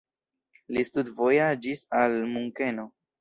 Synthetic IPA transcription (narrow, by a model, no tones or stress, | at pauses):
listudvo̞jad͡ʒisalmuŋke̞no